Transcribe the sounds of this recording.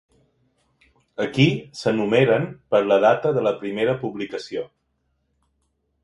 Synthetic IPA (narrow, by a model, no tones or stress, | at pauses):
əkisənumeɾənpəɾləð̞at̪əðələpɾimeɾəpuβlikəsio